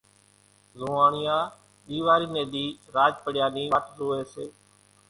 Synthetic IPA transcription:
zoːaːɳɪjãː | ɗiːʋaːɾiːneːd̪iːɾaːd͡ʒpəɽɪjãːnĩːʋaʈʰɾoːeːseː

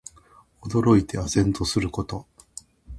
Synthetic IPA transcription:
od̪o̞ɾo̞it̪e̞azẽ̞nt̪o̞sɨɾɯ̟ko̞t̪o̞

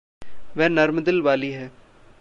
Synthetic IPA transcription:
ʋɛːnɐɾmd̪ɪlʋaːliɦɛː

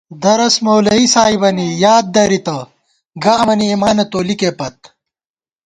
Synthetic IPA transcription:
d̪ɐɾɐsmoːlɐisaːibɐnijaːd̪̚d̪ɐɾit̪ɐ | ɡɐɐmɐniːmaːnɐt̪oːlikepɐt̪̚

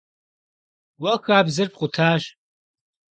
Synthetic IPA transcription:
wɐxaːbzɨrpqʷʼʊtʰaːʒ

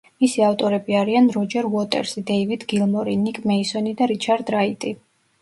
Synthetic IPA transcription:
misiaft̪ʼɔɾɛbiaɾianɾɔd͡ʒɛɾvɔt̪ʼɛ̰ɾsid̪ɛivid̪ɡilˠmɔɾinikʼmɛisɔnid̪aɾit͡ʃʰaɾd̪ɾait̪ʼi

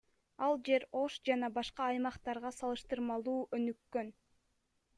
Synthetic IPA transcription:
ɑlˠd͡ʒe̞ɾo̞ʃd͡ʒɑnɑbɑʃqɑɑjmɑqt̪ɑɾʁɑsɑlˠɯʃt̪ɯɾmɑlˠuːʔønykːø̞n

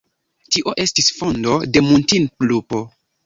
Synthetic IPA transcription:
tiʔo̞ʔe̞stisfo̞ndo̞de̞muntinklupo̞

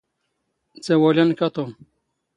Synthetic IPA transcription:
t͡sewolʲankat̪om

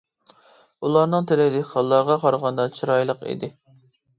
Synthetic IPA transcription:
ulˠɑɾnɨŋt̪ʰelɪd̪ɪkʲqʰɑlˠːɑɾʁɑqʰɑɾʁɑnd̪ɑt͡ʃʰiɾɑjlˠəqḭd̪ɪ

